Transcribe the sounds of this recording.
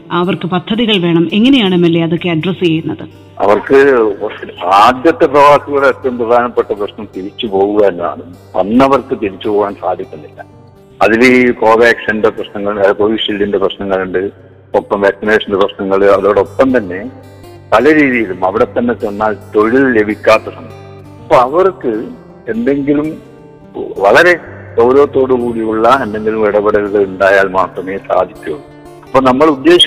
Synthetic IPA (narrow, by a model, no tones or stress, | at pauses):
ɐʋɐrkɨpɐt̪ʰːɐðiɣɐɭʋe̞ːɳɐme̞ŋːɐne̞jaːɳemːelːeɐðo̞kːe̞ɐɖrɐsjejiɾunːɐðɨ | ɐ̰ʋɐrkɨ | aːd̪jɐt̪ːeprɐʋaːsuɣɐɭet̪ːɐmprɐd̪ʱaːnɐpːeʈːɐprɐɕnɐmt̪iɾit͡ɕːupo̞ːɣuɣɐenːɐa̰ːɳɨ | ɐ̰nːɐʋɐrkɨt̪iɾit͡ɕːupoːwaːnsaːd̪ʱikʲːunːilːɐ̰ | ɐðilko̞ːʋeːkʂɐndeprɐɕnɐŋːɐɭkoʋiʂildindeprɐɕnɐŋːɐɭuɳɖɨ | opːɐmʋaːksineːʂɐndeprɐɕnɐŋːɐɭɨɐðoːɽeopːɐmt̪ɐnːe̞ | pɐlɐɾiːðijilumɐʋiɽet̪ːɐnːe̞t͡ɕenːaːlt̪o̞ɻillebʱikʲːaːt̪ːɐtɐnːɐ | ɐpːoːɐʋɐrkːɨ | e̞nd̪e̞ŋɡilum | ʋɐɭɐɾe̞sɐwɾoːt̪ːo̞ːɽukuːɽiuɭːɐend̪e̞ŋɡilumiɽɐbɐɽɐlɣɐɭuɳɖaːjaːlmaːt̪rɐmeːsa̰ːd̪ʱikʲːuɐu | ɐpːonɐmːɐɭud̪ːe̞ːɕɐ